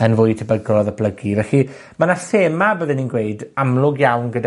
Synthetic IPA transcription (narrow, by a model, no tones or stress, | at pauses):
ənvʊjtʰəbəɡrɔðəbʰləɡivɛɬi | manaseːmabəðɪninɡweɨdamlˠʊɡjawnɡəda